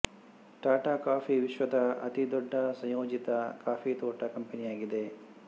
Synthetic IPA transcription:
ʈaːʈaːkaːpʰiʋiʃʋɐd̪ɐɐ̰t̪id̪ɔɖːɐsɐ̃joːd͡ʒit̪ɐkaːpʰit̪oːʈɐkɐmpenijaːɡid̪e

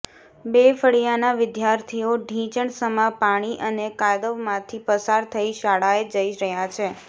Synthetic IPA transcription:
befəɭijanaʋɪd̪jaɾt̪ʰioɖʱĩt͡ʃəɳsəmapaɽ̃iʔənekad̪əʋmãt̪ʰipəsaɾt̪ʰəiʃaɭaed͡ʒəiɾəɦjat͡ʃʰe

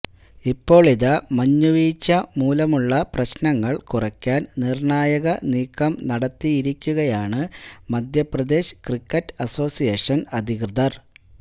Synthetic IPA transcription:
ipːo̞ːɭiðɐmɐɲːuʋiːt͡ɕːɐmuːlɐmuɭːɐprɐɕnɐŋːɐɭkurɐkʲːaːnnirɳaːjɐɣɐniːkːɐmnɐɽɐt̪ːijiɾikʲːuɣɐjaːɳɨmɐd̪ʱjɐprɐd̪e̞ːɕkrikːɐtːɐso̞ːsijeːʂɐnɐd̪ʱikrɨðɐr

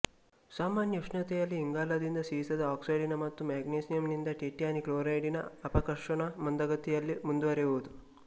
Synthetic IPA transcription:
saːmaːnjɐʂnɐt̪ɛjɐlːiːŋɡaːlɐd̪ind̪ɐsisɐd̪ɐaːksɐjɖinɐmɐt̪ːumaːɡnesijɐmnind̪ɐʈeːʈijaːnikloːɾɐjɖinɐ̰ɐpɐkɐɾʂɐɳɐmɐnd̪ɐɡɐt̪ijɐlːimund̪uʋɐɾeʋod̪u

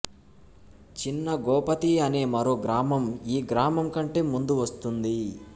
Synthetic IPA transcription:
t͡ʃinːɐɡɔːpɐt̪iɐne̞ːmɐɾoːɡɾaːmɐmiːɡɾaːmɐmkɐɳʈe̞ːmund̪uʋɐst̪und̪i

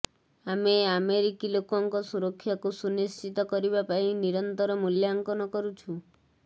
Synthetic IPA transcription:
ameameɾikilokɔŋkɔsuɾɔkʰːjakusunist͡ʃit̪ɔkɔɾibapainiɾɔnt̪ɔɾɔmuljaŋkɔnɔkɔɾut͡ʃʰu

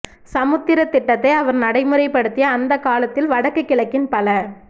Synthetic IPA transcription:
sɐmɯt̪ːɪɾɐt̪ːɪʈːɐt̪ːɐɪɐʋɐɾnɐɽɐɪmɯɾɐɪpːɐɽɯt̪ːɪjɐːnd̪ɐkːaːlɐt̪ːɪlʋɐɽɐkːɯkːɪlɐkːɪnpɐlɐ

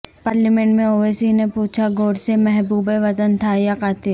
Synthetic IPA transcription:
paːɾlimẽɳʈmẽoːeːsinepuːt͡ʃʰaɡʱoːɽsemɛɦbuːbeʋɐt̪ənt̪ʰajakaːt̪e

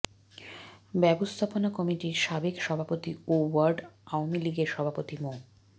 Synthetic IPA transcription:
bɛbost̪ʰaponakɔmiʈiɾʃabekʃɔbʱapot̪iowaɾɖaoamiliɡeɾʃɔbʱapot̪imo

